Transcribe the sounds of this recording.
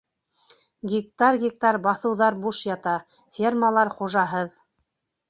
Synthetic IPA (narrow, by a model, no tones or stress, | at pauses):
ɡʲik̚t̪arɡʲik̚t̪ɑɾbɑθɤ̆wðɑɾbuʃjɑt̪ɑ | fʲermalˠɑɾχuʒɑɦɤð